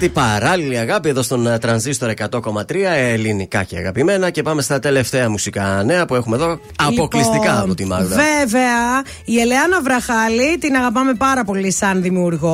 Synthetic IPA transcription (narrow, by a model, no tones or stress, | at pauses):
t̪ipɐɾɐliliɐɣɐpieðo̞st̪o̞nt̪ɾɐnzist̪o̞ɾe̞kɐt̪o̞ko̞mɐt̪ɾiɐelinikɐ̰ceɐ̰ɣɐ̰pime̞nɐce̞pɐme̞st̪ɐt̪e̞le̞ft̪e̞ɐmusikɐne̞ɐpue̞xume̞ðo̞ | ɐpo̞klisst̪ikɐːpot̪imɐ̰lveveɐ | ieleɐnɐvɾɐxɐlit̪inɐɣɐpɐme̞pɐɾɐpo̞lisɐnðimiuɾɣo